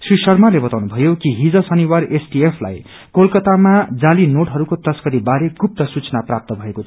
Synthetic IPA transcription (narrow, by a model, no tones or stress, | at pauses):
srisʌrmalebʌt̪awnubʱʌjokiɦid͡zʌsʌniwaresʈiepʰla̰j | kolkʌt̪amad͡zalinoʈɦʌɾukot̪ʌskʌɾibaɾeɡup̚t̪ʌsut͡sʌnaprap̚t̪ʌbʱʌekot͡sʰ